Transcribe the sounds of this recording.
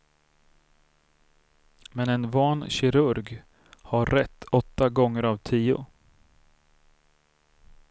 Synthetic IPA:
mɛnɛnvɑːnɕɪɾɵɾɡ | haɾːɛt̪ʰːɔt̪ːaɡɔŋːəɾavt̪ʰiːʊ̰

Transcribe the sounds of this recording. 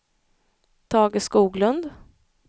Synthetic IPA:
t̪ʰɑːɡɪskuːɡlɵnd̪

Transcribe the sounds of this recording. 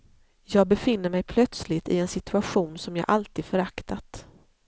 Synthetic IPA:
jɑːɡ̚bɛfɪnːəɾmɛjpʰlœt̪slɪt̪ɪ̰ɛnsɪt̪ɵaɧuːnsɔmjɑːɡʔalt̪iːd̪fœɾakt̪at̪

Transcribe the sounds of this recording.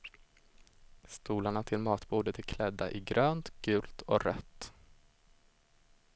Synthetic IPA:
st̪uːlaɳat̪ʰɪlmɑːt̪buːd̪ət̪ʰɛkʰlɛd̪ːa̰ʔɪɡɾøːnt̪ɡ̥ʉ̟ːlt̪ʰɔɾœt̪ː

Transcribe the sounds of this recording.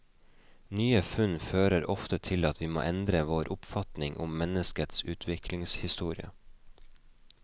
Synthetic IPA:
nyːəfʉnføːɾəɾʔɔft̪ət̪ʰɪlɑt̪ʰʋiːmo̰ːʔɛnd̪ɾəʋoːɾʔʊpfɑt̪nɪŋʔʊ̰mːɛnəskət̪sʉːt̪ʰʋɪklɪŋshɪst̪uːɾɪə̰

